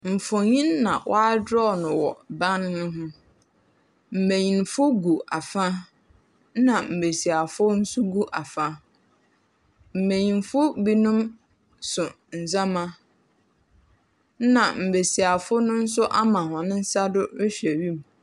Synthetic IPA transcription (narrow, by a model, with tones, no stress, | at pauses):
m̩˨fʊ˨ɲĩ˦nːã̰˨wʔɔ̰˦a˦dɾɔ˦˨nʊ̃˨wɔ̰˨ba˦n˦nʊ̃˦ɦʊ̃˦ | m̩˨mẽ˨ɲĩ˨nfʊ˦ɡu˨a˨fã˦ | nã˨m̩˨be˨si˨a˨fʊ˦n̩˦sʊ˦ɡu˦ʔa˨fa˦ | m̩˨mẽ˨ɲĩ˨nfʊ˦bi˦nũ˦m | sʊ˨ | n̩˨zã˦mã˦ | nã˨m̩˨be˨si˨a˨fʊ˦nʊ̃˦n̩˦sʊ˦ʔa˦mã˨hɔ̃˨nɪ̃˦n̩˦sa˦dʊ˦ɾɪ˦ɕᶣɛ˨ɥi˦m˨